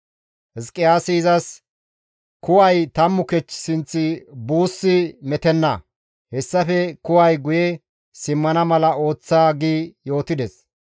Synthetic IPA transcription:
hɛskʼːɪjaːsiːzɐs | kʊwɐjt̪ɐmːʊkɛt͡ʃːsɪnt͡sːɪbuːsːɪmɛt̪ɛnːɐ̰ | hɛsːɐfɛkʊwɐjɡʊjɛ | sɪmːɐnɐmɐlɐo̞ːt͡sːaːɡiːjo̞ːt̪ɪd̪ɛs

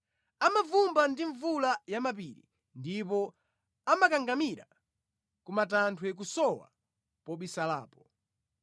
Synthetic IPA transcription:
amavumbandiɱvulajamap̬iɾḭ | ndip̬ɔ | amakaŋɡamiɾa | kumatantʰwɛk̬usɔwa̰ | pɔɓisala̰ːpɔ

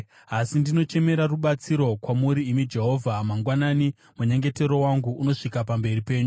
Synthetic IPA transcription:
asindino̞t͡ʃe̞me̞ɾaruɓat͡siɾo̞kwamuɾiːmid͡ʒe̞ɦo̞vʱamaŋɡwanani | muɲeŋɡe̞te̞ɾo̞waŋɡuːno̞ʂikapambe̞ripe̞ːɲu

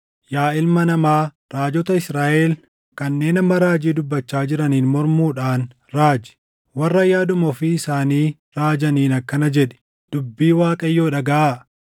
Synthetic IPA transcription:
jaːɪlmɐnɐmaː | ɾaːd͡ʒɔt̪ɐɪsɾaːʔeːl | kɐnːe̞ːnɐmɐɾaːd͡ʒiːd̪ʊbːɐt͡ʃːaːd͡ʒɪɾɐniːnmɔɾmuːᶑaːn | ɾaːd͡ʒɪ̥ | wɐrːɐjaːd̪ʊmɔfɪːsaːniː | ɾaːd͡ʒɐniːnɐkːɐnɐd͡ʒɛᶑɛ̥ | d̪̥ʊbːiːwaːkʼɐjːo̞ːᶑɐɡɐʔaː

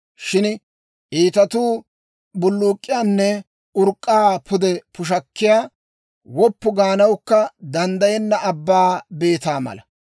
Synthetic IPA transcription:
ʃɪn | ʔiːt̪ɐt̪uː | bʊlːuːkʼːɪjaːnːɛ | ʊɾkʼːaːpʰʊd̪ɛpʊʃ̬ɐkːɪjaː | wɔpːʊɡaːnɐwkːɐd̪ɐnd̪ɐjɛnːɐɐbːaːbe̞ːt̪aːmɐ̰lɐ̰

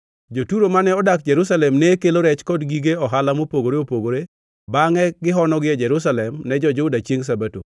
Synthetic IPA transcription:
d͡ʒotuɾomanɛɔdak̚d͡ʒɛɾus̬alɛmnɛkeloɾɛt͡ʃkɔdɡiɡeɔɦalamopoɡoɾeopoɡoɾe | baŋɛɡɪɦɔnɔɡɪɛd͡ʒɛɾʊs̬alɛmnɛd͡ʒɔd͡ʒʊdat͡ʃjeŋs̬abato̰

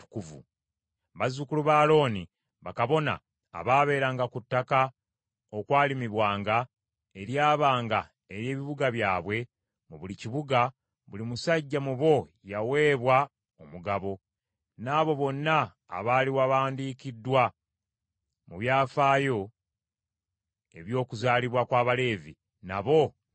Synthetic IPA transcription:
tu̥kuvṵ | βazukuluβaːlo̞ːni | βakaβo̞na̰ː | βaːβe̞ːɾaːŋɡakutːaka | o̞kwaːlimiβwaːŋɡa | eɾjaːβaːŋɡa | eɾje̞ːβiβuɡaβjaːβwe̞ | muβuliciβuɡa | βulimusaɟːamuβo̞jawe̞ːβwa | omuɡaβo̞ | naːβo̞βo̞nːa̰ː | βaːliwaβaːndiːkidːwa | muβjaːfaːjo̞ | e̞βjo̞ːkuzaːliβwakwaːβale̞ːvḭ | na̰βo̞

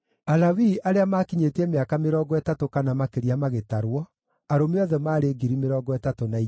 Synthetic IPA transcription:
alawiʔaɾeamaːkiɲetɛmeakameɾɔːɡɔɛtatokanamakeɾiamaɣetaɾwɔ | aɾomeɔðɛmaːɾeːɡiɾimeɾɔːɡɔɛtatonai

